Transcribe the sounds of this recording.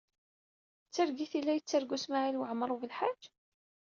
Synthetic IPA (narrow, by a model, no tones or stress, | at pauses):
t͡sːaɾɡiθilːæjət͡sːaɾɡusmaʕilwəʕmɾˤuvəlħad͡ʒ